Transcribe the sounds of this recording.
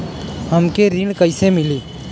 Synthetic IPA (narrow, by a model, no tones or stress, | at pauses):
ɦəmkeɾiɳkəɪsemɪliː